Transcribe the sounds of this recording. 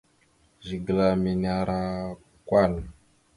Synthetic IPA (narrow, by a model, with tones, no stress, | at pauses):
ʒi˨ɡə˨la˨mi˨na˦ɾa˦ | kwa˦˨l